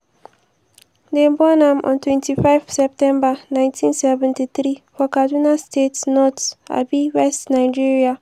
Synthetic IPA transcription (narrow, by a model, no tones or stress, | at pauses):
debɔnãmʔɔ̰̃ntwɛ̃ntifaɪvsɛp̚tɛ̃mbanãj̃ntʰĩnsɛvɛ̃ntiθɾifɔkadunastetnɔta̰biwɛstnaɪd͡ʒiɹia